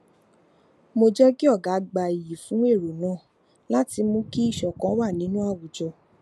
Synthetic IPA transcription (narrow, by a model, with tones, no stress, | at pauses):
mo˧d͡ʒɛ˦ki˦ɔ˦˨ɡa˨˦ɡ͡ba˧˨i˨ji˨fũ˨˦e˦˨ɾo˨nã˨˦˨ | la˦ti˧mũ˧˦ki˦i˦˨ʃɔ˨kã˨˦wa˦˨nĩ˨˦nũ˦a˦˨wu˨d͡ʒɔ˧